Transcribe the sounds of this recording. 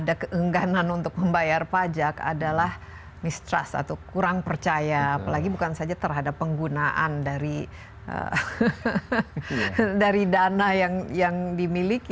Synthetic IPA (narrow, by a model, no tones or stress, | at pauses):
adakəʔəŋɡananunt̪ʊk̚məmbajarpad͡ʒaka̰dalah | mist̪ɾa̰sa̰t̪akuɾaŋpərt͡ʃajaːpalaɡibukansad͡ʒat̪ərɦadapːəŋɡunaʔa̰ndaɾi | ʔə̰ | daɾidanahjaŋjaŋdimiliki